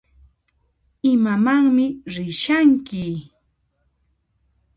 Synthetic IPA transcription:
ɪmamaŋmɪɾɪʃaŋkɪ

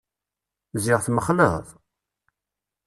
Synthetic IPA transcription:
zɪʁθməχlə̰ʁðˤ

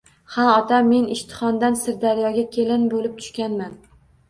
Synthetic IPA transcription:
haɒt̪ʰamːe̞nɪʃt̪ʰɪ̥χɒnd̪ansɪɾd̪aɾjɒɡʲakʲʰelɪnbolɪp̚t̪ʰʊ̥ʃkʲanman

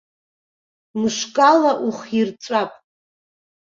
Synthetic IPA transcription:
mɨʃkʼalaʔuχirt͡sʷʼapʼ

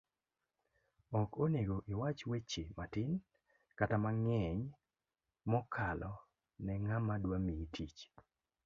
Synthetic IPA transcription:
ɔkoneɡoʔɪwat͡ʃwet͡ʃematɪn | katamaŋɛɲ | mɔkʰalɔ | nɛŋamadwamiitʰit͡ʃ

